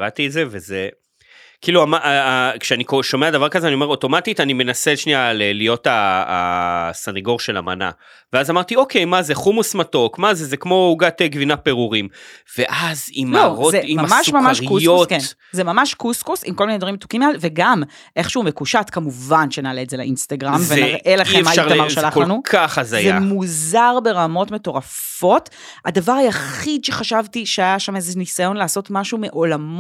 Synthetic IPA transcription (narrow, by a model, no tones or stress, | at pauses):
ʁat̪izeveze | kiːluamaʔkʃeanikoʃo̞meadavaʁkazeanio̞me̞ʁo̞to̞matitanime̞naseʃnialelijo̞ta̰ | saneɡo̞ʁʃe̞la̰ma̰na̰ | veazamaʁt̪io̞ke̞jmazeχumusmato̞kmazezekmo̞uɡateɡvinapeʁuʁimve̞ʔazimlaoʁozeimammaʃumamaʃkusootken | zemamaʃkuskusḭmkomined̪vɐʁimt̪u̥kimalveɡam | ʔe̞χʃeumekuʃatkamuvanʃenaːleːzelḛʔinst̪aɡʁamvenaʁʔelaχemaajaʁamaʁʃalaχolanukʰaχazajzea̰muzaʁbe̞ʁamo̞tmeto̞ʁaf | o̞t | adavaʁajaχidʃe̞χaʃavtiʃeajaʃamezenisajo̞nlaːso̞tmaʃumeʔo̞lam